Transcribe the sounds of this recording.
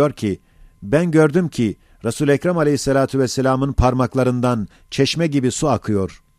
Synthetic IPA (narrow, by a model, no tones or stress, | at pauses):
o̞ɾcʰi | bænɟø̞ɾd̪ymcʰi | ɾasuːlʲɛcɾamalʲehisːalʲaːt̪ʰuvɛsːelʲaːmɯnpʰaɾmaklˠaɾɯnd̪an | t͡ʃʰɛʃmɛɟibisuakʰɯjo̞ɾ̥